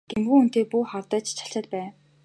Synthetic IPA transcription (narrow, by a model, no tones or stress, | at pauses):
ɡ̥emɡuːun̥t̪eːpuːχɔrt̪œːt͡ɕt͡ɕʰḁɬt͡ɕăːt̪̚pæː